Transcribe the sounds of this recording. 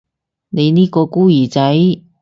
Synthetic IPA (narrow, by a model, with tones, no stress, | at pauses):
ne˨˧jniː˥kɔː˧kuː˥jiː˨˩t͡sɐ˨˥j